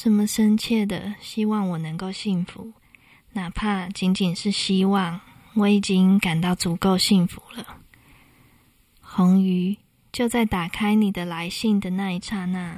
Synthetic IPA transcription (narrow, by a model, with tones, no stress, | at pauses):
ʂə˨˧˦nmə˨ʂə˥nt͡ɕʰjɛ˥˩d̪ə̰˩ɕi˥wɑ˥˩ŋwɔ˨˩nə˧˦ŋko˥˧ʊɕi˥˩ŋfṵ˨˦ | na˨˩pʰa˥˩t͡ɕi˧˥nt͡ɕi˨˩nʂɻ̩˥˩ɕi˥wɑ˥˩ŋ | wɔ˨˥i˨˩t͡ɕi˦˥nka˨˩nt̪ɑ˥˩ʊt͡su˧˥˦ko˥˧ʊɕi˥˩ŋfu˧˦lə˨ | xo˧˥ŋy˧˥ | t͡ɕjo˥˧ʊt͡sa˥˩ɪt̪a˨˩kʰa˥ɪni˨˩d̪ə˦la˧˦ɪɕi˥˩ŋd̪ə˨na˥˧i˥˩ʈ͡ʂʰa˥˧na˥˩